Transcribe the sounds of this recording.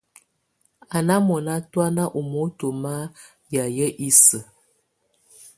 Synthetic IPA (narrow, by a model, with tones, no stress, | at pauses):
a˨na˦mɔ˨na˦twa˦na˦ʔu˨mo˦to˨ma˦ | ja˨jə˦ʔi˦sə˨